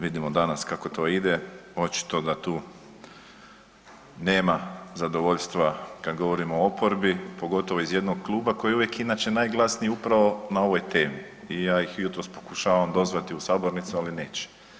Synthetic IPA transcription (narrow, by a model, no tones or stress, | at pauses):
ʋid̪imod̪anaskako̞t̪o̞ːid̪eo̞t͡ʃi̥t̪o̞d̪at̪uː | ne̞ːmazad̪oʋo̞ʎst̪ʋakad̪ɡo̞ʋo̞ɾimoopo̞ɾbipo̞ɡo̞t̪o̞ʋoizje̞d̪no̞ɡ̚klˠuːbako̞jeuʋjekinaːt͡ɕenajɡlˠasnijeupɾaʋo̞nao̞ʋo̞jt̪e̞ːmi | ijaːjixjut̪ɾo̞spo̞̥kuʃaːʋamd̪o̞zʋat̪iusaːboɾnit̪sualine̞ːt͡ɕe̥